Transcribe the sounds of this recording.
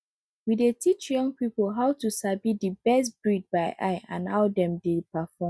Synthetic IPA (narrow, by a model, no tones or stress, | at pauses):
widetʰit͡ʃjɔ̃ŋpipolɦaʊtʰusabidɨbɛstbɹid̚baɪʔa̰ɪã̰nhaʊdɛ̃mdepafɔ̃m